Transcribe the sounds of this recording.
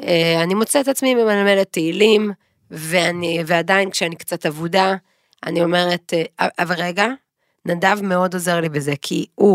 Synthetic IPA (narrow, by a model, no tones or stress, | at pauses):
eanimot͡seetat͡smimemalme̞letːeilim | veaniveadainkʃeanikt͡satavuda | a̰nio̞me̞ʁe̞teaʔaveʁeɡa | nadavme̞o̞doze̞ʁlibe̞ze̞kʰiu